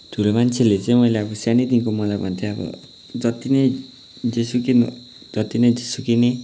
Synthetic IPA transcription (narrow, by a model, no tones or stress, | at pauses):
t̪ulemant͡ʃʰelesemoleakusañit̪iŋkumɔlama̰nt̪ʰiabɔ̰ | d͡ʒɔt̪ine | d͡ʒisukin | d͡ʒɔt̪ined͡ʒisukine